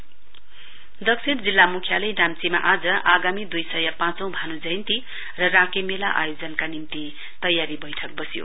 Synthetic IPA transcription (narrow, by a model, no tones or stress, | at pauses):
d̪ʌksʰiɾd͡zilːamukʰjalʌjnamt͡sima̰ʔad͡zʌʔaɡamid̪ujsʌjʌpãt͡sʌ̃w̃bʱanud͡zʌint̪i | rʌrakemelaʔa̰jod͡zʌnkanimt̪i | t̪ʌjaɾibʌjʈʰʌk̚bʌsijo̰